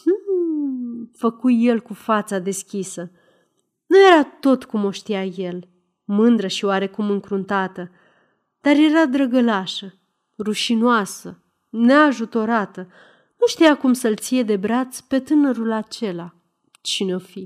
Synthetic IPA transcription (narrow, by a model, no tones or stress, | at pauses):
h̩ | fəkuje̞lkufat̪sad̪e̞skʲisə | nuje̞ɾat̪o̞t̪kumo̞ʃt̪ijaje̞l | mɨnd̪ɾəʃioaɾe̞kumɨŋkɾunt̪at̪ə | d̪̥arje̞ɾad̪ɾəɡəlaʃə | ruʃinoasə | ne̞aʒut̪o̞ɾat̪ə | nuʃt̪ijakumsəlt̪sije̞d̪e̞bɾat̪spe̞t̪ɨnəɾulat͡ʃe̞la | t͡ʃineo̞fi